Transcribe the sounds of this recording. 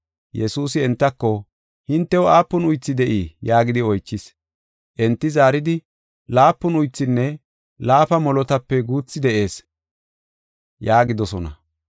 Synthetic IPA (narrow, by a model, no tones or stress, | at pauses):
jɛsuːsɪɛnt̪ːɐkːɔ | hɪnt̪ːɛwɔʔaːpːɔnʊjt͡sːɪd̪ɛʔiːjaːɡɪd̪ɪɔjt͡ʃːɪs | ʔɛnt̪ːɪzaːɾɪd̪ɪ | laːpːɔnʊjt͡sːɪnːɛ | laːfɐmɔlɔt̪ɐpːɛɡuːt͡sːɪd̪ɛʔe̞ːs | jaːɡɪd̪ɔsɔnɐ̰